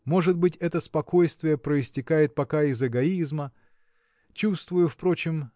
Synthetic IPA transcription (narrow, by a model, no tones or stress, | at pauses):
mo̞ʐɨd̪̚bɨtʲɛt̪əspɐko̞jst̪vʲɪjəpɾəɪsʲtʲɪkajɪt̪̚pɐkaɪzɨɡɐizmə | t͡ɕust̪vʊjʊfpɾo̞t͡ɕɪm